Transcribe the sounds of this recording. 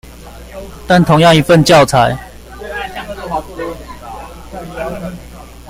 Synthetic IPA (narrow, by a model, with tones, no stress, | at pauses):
t̪a˥˨nt̪ʰʊ˨˦ŋjɑ˥˨ŋi˧˥fə˥˨nt͡ɕjɑ˥˨ʊt͡sʰa˨˦ɪ